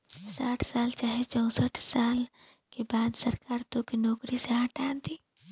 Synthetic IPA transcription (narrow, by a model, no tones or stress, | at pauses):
saːʈʰsaːlt͡ʃaːɦet͡ʃɔ̃ʊ̃səʈʰsaːl | kebaːd̪sɐɾkaːɾt̪okinɔːkɾiseɦɐʈãːnt̪iː